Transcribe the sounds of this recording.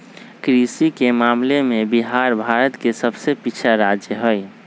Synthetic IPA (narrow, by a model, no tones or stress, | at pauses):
kɾisikemaːmlemẽbiɦaɾbʱaːɾət̪kesəbsepit͡ʃʰaɾad͡ʒjəɦoj